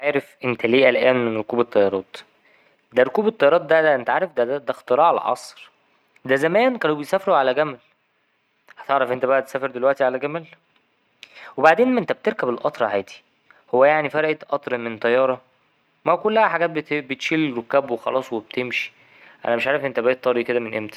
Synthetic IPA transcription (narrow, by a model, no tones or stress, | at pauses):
ʕaːɾefʔent̪ʰæleːʔælʔæːnmenɾokuːbet̪ˤːɑjɑɾˤɑːt̪ˤ | d̪æɾokuːbet̪ˤːɑjɑɾˤɑːt̪̚ˤd̪æʔent̪æʕaːɾefd̪æd̪æd̪æxt̪eɾˤɑːʕal̰ʕɑ̰sˤɾ | d̪æzæmæːnkænːowbejsæːfeɾuʕalæɡæmæl | hæ̥t̪eʕɾæfʔent̪æbæʔæt̪esæːfeɾd̪elwæʔt̪iʕalæɡæmæl | webaʕd̪eːnmæʔent̪æb̚t̪eɾkæbelʔɑt̪ˤɾˤɑhæːd̪i̥ | howːæjaʕnifæɾʔet̪ʔɑt̪ˤɾˤɑment̪ˤɑjːɑːɾˤɑ | mæwkolːæhæħaɡæːt̪̚bebet̪ʃilɾokːæbwexɑ̰lɑːsˤweb̚t̪emʃi̥ | ʔæ̰næmeʃʕaːɾefʔent̪æbæt̪ːˤɑɾiked̪æmenʔemt̪æ̥